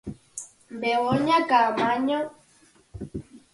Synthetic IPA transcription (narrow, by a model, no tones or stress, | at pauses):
m̩bɛwɔɲakamaɲɔ